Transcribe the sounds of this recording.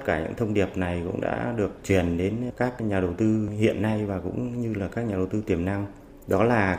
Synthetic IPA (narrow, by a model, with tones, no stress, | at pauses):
t̚kaː˧˩ɲɨ̰˧˥ŋt̪ʰə˧wŋ͡mɗi˨˩əp̚na˨˩jkʊ̰˧˥ŋ͡mɗa̰ː˧˥ɗɨ˨˩ək̚t͡ɕwi˨˩ənɗe˨˦nkaː˦˥k̚ɲaː˨˩ɗə˨˩wt̪ɨ˧hḭ˧˨ənːa˧jvaː˨˩kʊ̰˧˥ŋ͡mɲɨ˧laː˨˩kaː˦˥k̚ɲaː˨˩ɗə˨˩wt̪ɨ˧t̪i˨˩əmna˧ŋ | ɗɔ˨˦laː˨˩